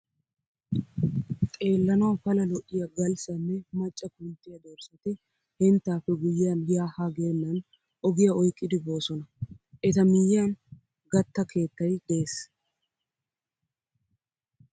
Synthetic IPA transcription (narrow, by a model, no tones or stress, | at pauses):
kʼe̞ːlːɐnɐwɐfɐlɐlɔʔːɪjɐɡɐlsɐnːɛmɐt͡ʃʼːɐkʊnt̪ːɪjɐd̪ɔɾsɐt̪ɪ | hɛnt̪ːaːfːɛɡʊjɪːanjaːhaːɡeːnːɐn | ʔɔɡɪjɐɔjkʼːɪd̪ɪbo̞ːsɔnɐʔɛt̪ɐmɪjan | ɡɐt̪ːɐke̞ːt̪ːɐjd̪eːs